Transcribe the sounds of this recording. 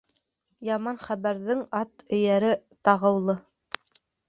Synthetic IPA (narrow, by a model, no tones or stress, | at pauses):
jɑmɑnχæβæɾðɘŋɑt̪ɵ̆jæɾɘ | t̪ɑʁɤ̆wlˠɤ